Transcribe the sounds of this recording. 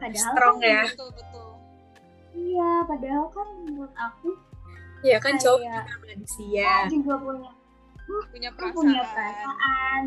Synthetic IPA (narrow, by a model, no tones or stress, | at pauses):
padaɦalɾɔŋjat̪bət̪ʊl | ijapadaɦalkankʊt̪̚aku | jakant͡ʃaaamadisiad͡ʒuɡapuɲa | puɲapapuɲapəɾasaʔan